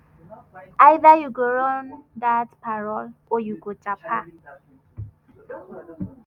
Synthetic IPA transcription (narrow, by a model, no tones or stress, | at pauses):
ajðajuɡoɾɔndatpaɾɔlojuɡot͡ʃapʰa